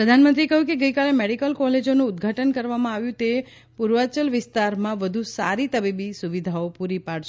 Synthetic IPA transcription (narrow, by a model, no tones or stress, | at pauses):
pɾəd̪ʱanmənt̪ɾiekəɦjũkeɡəjkalemeɽikəlkɔled͡ʒonũːd̪ɡʱaʈənkəɾʋamãaʋjũt̪e | puɾʋat͡ʃəlʋɪst̪aɾmãʋəd̪ʱusaɾit̪əbibisuʋid̪ʱaopuɾipaɽt͡ʃʰ